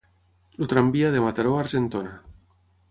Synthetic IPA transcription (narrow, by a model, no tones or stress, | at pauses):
lut̪ɾambiaðemat̪aɾoaɾʒent̪ona